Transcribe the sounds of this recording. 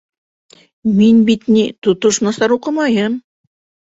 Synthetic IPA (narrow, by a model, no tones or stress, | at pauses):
minbit̪nit̪ot̪ŏʃnɑsɑɾuqɤ̆mɑjɤm